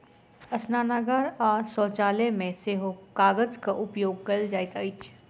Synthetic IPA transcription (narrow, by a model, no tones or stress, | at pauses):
ɐsnaːnaɡəɾaːsɔːt͡ʃaːlemẽseːɦokaːɡəd͡ʒkaʔʊpjoːɡ̚kɐld͡ʒaːɪt̪aːit͡ʃ